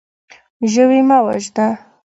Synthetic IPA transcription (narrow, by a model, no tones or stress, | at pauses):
ʒəwimawa̰ʒd̪a